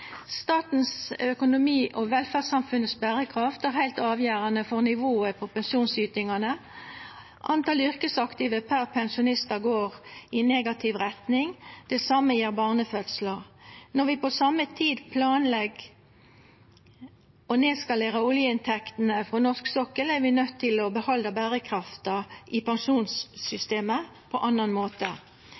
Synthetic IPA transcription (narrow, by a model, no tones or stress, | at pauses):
st̪ɑːt̪n̩sœkʊnʊmiːʔɔʋɛlfæʁsɑmfʉnːət̪sbæʁəkʰʁɑft̪æʁhæɪlt̪ɑːʋjøːʁɑnəfɔʁnɪʋoːəpʰɔpɛnʃuːnsyːt̪ɪŋɑnə | ʔɑnt̪ɑːlʏʁkəsɑkt̪ɪʋəpʰæʁpʰɛnsʊnɪst̪əɡoːʁɪneːɡɑt̪ʰɪʋʁɛt̪nɪŋd̪̥ɛsɑmːəjiːʁbɑːʁnəfœt̪slɑʁnɔʁʋɪpɔsɑmːət̪ʰiːd̪pʰlɑːnlɛɡ | ɔneːskɑleːʁəʊljəɪnt̪ʰɛkt̪n̩əfʁɔnɔʁsksɔkəlæʁʋɪnœt̪ʰːɪlɔbəhɑld̪əbæːʁəkʰʁɑft̪ɑʔɪpʰɑŋʂuːnsʏst̪eːmə | pʰɔʔɑnɑnmoːt̪ə